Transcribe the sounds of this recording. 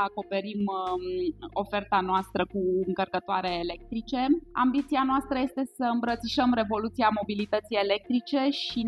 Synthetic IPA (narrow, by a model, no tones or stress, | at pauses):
ako̞pe̞ɾim | o̞fe̞rt̪anoast̪ɾʔəkuɨŋkərkət̪oaɾeːle̞k̚t̪ɾit͡ʃe̞a̰mbit̪sianoast̪ɾəje̞st̪e̞səɨmbɾət̪siʃəmɾe̞vo̞lut̪siamo̞bilit̪ət̪sije̞le̞k̚t̪ɾit͡ʃe̞ʃi